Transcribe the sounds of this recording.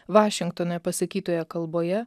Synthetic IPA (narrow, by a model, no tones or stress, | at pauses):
ʋɑːʃʲɪŋkt̪oːnojɛpɐsɐkʲiːt̪oːjɛkɐlˠboːjɛ